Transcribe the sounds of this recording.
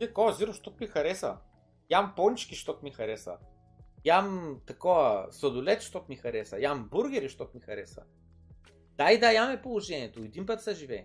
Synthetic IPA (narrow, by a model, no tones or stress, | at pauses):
ɛkɔziɾʊʃt̪ɔt̪mixɐɾɛsɐ̰ | jampɔnt͡ʃkʲiʃt̪ɔt̪mixɐɾɛsɐ̰ | jamt̪ɐkɔvɐsɐd̪ʊlɛt̪ʃt̪ɔt̪mixɐɾɛsɐjambuɾɡʲɛɾiʃt̪ɔt̪mixɐɾɛsɐ̰ | d̪̥ajd̪ɐjamɛpolˠoʒɛniɛt̪oɛd̪inp̬ət̪sɐʒivɛ